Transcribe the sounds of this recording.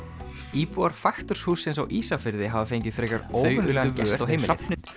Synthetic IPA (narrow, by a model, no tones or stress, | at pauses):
iːpuaɾ̥fajxt̪ʏɾ̥shuːsejnsawʔiːsafɪɾðɪɦavafeːjɲcɪð̥fɾɛːkaɾoːwɣʏnɛːɣavɛsawɦejmɪnapnɪ